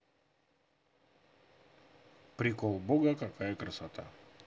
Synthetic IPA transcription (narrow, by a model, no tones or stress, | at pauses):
pɾʲɪkolˠboɡəkakajəkɾəsat̪a̰